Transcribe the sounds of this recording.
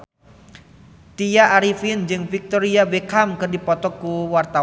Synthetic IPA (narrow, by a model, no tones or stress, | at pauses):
t̪ijaʔːɾifind͡ʒɨŋfik̚t̪ɔɾiabekamkɨrdipɔt̪ɔkuwart̪a